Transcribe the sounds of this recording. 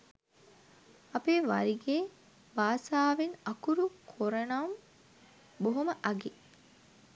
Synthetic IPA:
ɐpeːʋɐɾiɡeː | baːsaːʋinɐkuɾukʰoɾɐnɐm | boɦoməʔɐɡi

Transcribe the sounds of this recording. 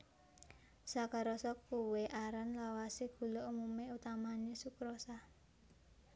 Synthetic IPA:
sakaɾɔsɔkːuweʔaɾanlawaseɡ̥ṳloumumeut̪amanesukɾosa

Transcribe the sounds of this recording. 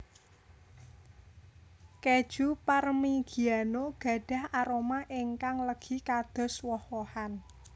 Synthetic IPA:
ked̥ʒ̥uparmiɡ̥i̤anoɡ̥ä̤ɖ̥ä̤haɾomaʔɪŋkaŋləɡ̥i̤kad̪̥ɔ̤swɔhwɔhan

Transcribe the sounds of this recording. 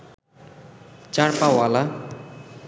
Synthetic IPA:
t͡ʃaɽpawala

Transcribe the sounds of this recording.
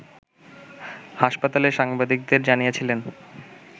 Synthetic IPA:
haʃpat̪aleʃaŋbad̪ik̚d̪eɾd͡ʑanijet͡ɕʰilen

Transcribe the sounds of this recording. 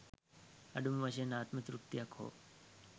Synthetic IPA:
ɐ̰ɖumʋaɕenaːt̪mət̪ɾuk̚t̪ijakʰo̰

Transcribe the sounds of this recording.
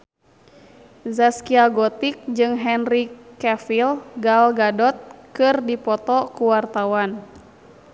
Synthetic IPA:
zaskiaɡɔt̪ik̚d͡ʒɨŋɦɛnrikɛfilɡalɡadɔt̪̚kɨrdipɔt̪ɔkuwart̪awan

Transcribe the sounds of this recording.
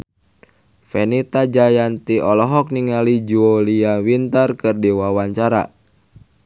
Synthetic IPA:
fɛnit̪ad͡ʒajant̪iɔlɔɦɔk̚niŋalid͡ʒuoliawint̪ərkɨrdiwawaɲt͡ʃaɾa̰

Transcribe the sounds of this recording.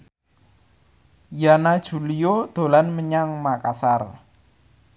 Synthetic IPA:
janad̥ʒ̥ṳlijod̪̥o̤lanməɲaŋmakasar

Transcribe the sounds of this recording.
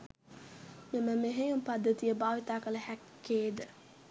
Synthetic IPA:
miməmeɦejumpad̪ːət̪ijəbaːʋit̪aːkələhækːeːd̪ə

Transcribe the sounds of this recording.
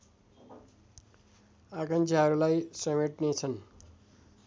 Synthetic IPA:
akant͡sʰaɦʌɾulajsʌmeʈnet͡sʰʌn

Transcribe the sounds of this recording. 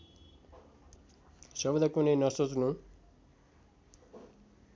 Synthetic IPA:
sʌbd̪akunʌjnʌsot͡snu

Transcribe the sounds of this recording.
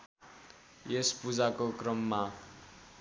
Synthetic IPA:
espud͡zakokrʌmːa

